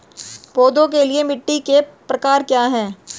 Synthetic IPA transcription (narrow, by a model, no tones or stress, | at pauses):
poːd̪õk̬eliemɪʈːikepɾɐkaːɾkjaːɦɛ̃ː